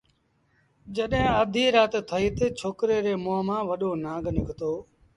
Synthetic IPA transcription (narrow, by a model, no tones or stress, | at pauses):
d͡ʒəɗɦẽːəd̪ʱiːɾaːt̪t̪ʰːəiːt̪ət͡ʃʰoːkɾeːɾeːmoːmãːʋəɗoːnãːɡʱnɪkʰt̪oː